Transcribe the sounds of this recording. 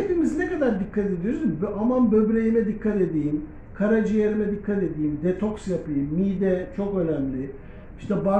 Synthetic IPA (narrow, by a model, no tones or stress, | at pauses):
et̪ʰimiznekad̪aɾd̪ikʰːat̪e̞d̪ijoɾsumbʔamanbøbɾejimɛd̪ikʰːat̪e̞d̪ijim | kʰaɾad͡ʒijeɾimɛd̪ikʰːat̪e̞d̪iːimd̪et̪ʰo̞ksjapɯjɯmːid̪ɛt͡ʃʰo̞kø̞næmlʲɪ | i̥ʃt̪ʰɛba